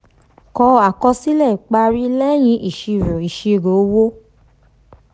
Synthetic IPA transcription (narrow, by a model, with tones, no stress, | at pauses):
kɔ˧˦a˨kɔ˧si˦lɛ˦˨i˨k͡pa˧ɾi˦lɛ˦j̃ĩ˧˦ʔi˨ʃi˧˨ɾũ˨i˨ʃi˧˨ɾo˨˦wo˦